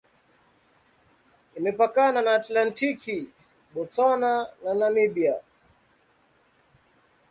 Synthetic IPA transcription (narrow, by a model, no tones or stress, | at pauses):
imɛpakananaːtlantiki | ɓɔt͡sanananamiɓia